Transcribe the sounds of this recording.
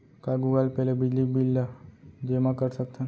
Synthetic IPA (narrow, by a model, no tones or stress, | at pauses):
kaɡuɡalpɛlebid͡ʒlikbilːad͡ʒemãkəɾsək̚t̪ʰãn